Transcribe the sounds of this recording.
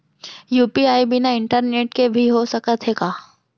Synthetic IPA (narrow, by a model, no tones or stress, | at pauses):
juːpiaːibɪnaɪ̃ɳʈəɾneːʈkebʱiɦosɐkət̪ɦeːkaː